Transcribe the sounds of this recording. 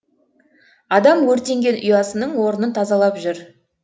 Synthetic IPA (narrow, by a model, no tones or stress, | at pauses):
ɑd̪ɑmwɵɾt̪e̞ŋɡʲe̞nʊjɑsənəɴwo̞ɾənənt̪ʰɑzɑlˠɑpʒʏɾ